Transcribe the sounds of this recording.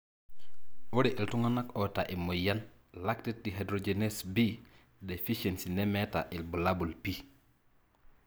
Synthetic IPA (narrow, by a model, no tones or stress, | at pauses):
uɾiʔiltuŋanakotaʔimujanlak̚tit̚diɦedɾod͡ʒenesbi | defiʃensinemeta̰ʔilbulabulpi